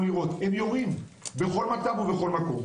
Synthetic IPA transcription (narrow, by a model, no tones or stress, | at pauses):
miʁo̞t̪emjoʁimbe̞χo̞lmat͡savube̞χo̞lmako̞m